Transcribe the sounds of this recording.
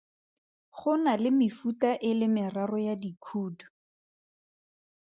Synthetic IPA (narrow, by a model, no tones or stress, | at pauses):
χʊnalɪmɪfutaʔɪlɪmɪrarɔjadikʰuːdʊ̥